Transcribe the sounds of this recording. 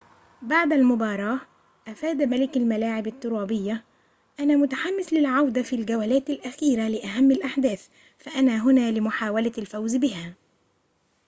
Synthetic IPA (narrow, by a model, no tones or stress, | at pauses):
baʕd̪almʊbɑːɾˤɑːʔ | ʔafaːd̪malɪkalmalaːʕɪbat̪ːʊɾˤɑːbɪjːa | ʔanaːmʊt̪aħamːɪslɪlʕawd̪afilɡawalæːt̪alʔaxiːɾalɪʔaɦamːalʔaħd̪æːθ | faʔanaːɦʊnaːlɪmʊħaːwalalfawzbɪɦaː